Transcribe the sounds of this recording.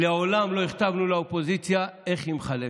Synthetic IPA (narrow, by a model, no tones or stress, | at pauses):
leaolamlo̞iχt̪avnulaopo̞zit͡sjae̞χimχale